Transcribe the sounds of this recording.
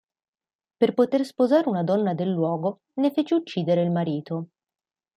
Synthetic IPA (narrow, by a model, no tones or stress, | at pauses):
perpot̪erspozaːɾeunad̪ɔnːad̪elːwɔːɡo | nefeːt͡ʃeut͡ʃːiːd̪eɾeilmaɾiːt̪o